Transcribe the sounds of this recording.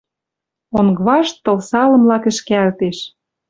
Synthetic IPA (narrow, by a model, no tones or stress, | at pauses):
oŋɡβɑʃt̪ːɤ̆lsɑlɤ̆mlɑkɘ̆ʃkeælt̪eʃ